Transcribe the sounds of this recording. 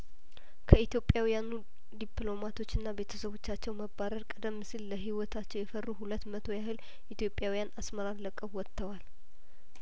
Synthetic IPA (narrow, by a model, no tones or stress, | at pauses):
kʰəit̪jo̞pʼjawijanu | d̪iplo̞mat̪ʰo̞t͡ʃːɨnːabe̞t̪ʰəsəβo̞t͡ʃːat͡ʃːɛwməbaɾəɾkʼəd̪əmːɨsilːəɦiwɔt̪ʰat͡ʃːɛwjɛfərːuɦulət̪ːmət̪ʰo̞jaɦɨl | ʔit̪jo̞pʼːjawijanasməɾaɾləkʼəβwɔt̪ːəwal